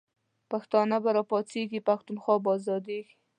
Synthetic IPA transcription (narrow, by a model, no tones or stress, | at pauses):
paxt̪ɑnabaɾɑpɑt͡seɡipaxt̪unxwɑbɑzɑd̪eɡi̥